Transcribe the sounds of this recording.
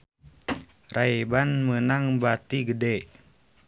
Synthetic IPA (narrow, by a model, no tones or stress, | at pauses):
raebanmənaŋbat̪iɡədɛ